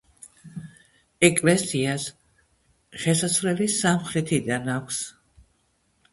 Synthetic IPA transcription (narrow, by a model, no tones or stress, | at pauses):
ɛkʼlɛsias | ʁɛsaslɛlisamχɾɛt̪ʰid̪anakʷʰs